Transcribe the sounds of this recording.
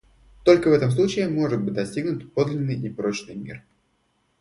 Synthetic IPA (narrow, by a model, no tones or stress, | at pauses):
t̪o̞lʲkəvɛt̪əms̬lˠut͡ɕɪɪmo̞ʐɨt̪̚bɨt̚ʲd̪ɐsʲtʲiɡnʊt̪ʲpo̞d̪lʲɪnːɨjipɾo̞t͡ɕnɨjmʲḭr